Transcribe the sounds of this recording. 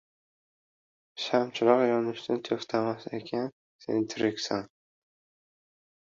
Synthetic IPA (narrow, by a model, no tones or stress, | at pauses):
ʃamt͡ʃʰɪlɒqjɒnɪʃnɪt̪ʰoft̪ʰamasekʲʰan | sḛnɪt̪ʰɪɾɪkʲsaŋ